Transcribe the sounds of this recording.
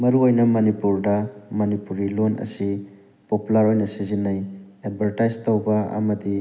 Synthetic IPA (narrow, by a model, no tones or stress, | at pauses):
mɐɾuojnɐmɐnipuɾdɐmɐnipuɾilonɐ̰si | populɐɾojnɐsizinːɐjed̚bʱɐɾtajztowbɐɐ̰mɐdi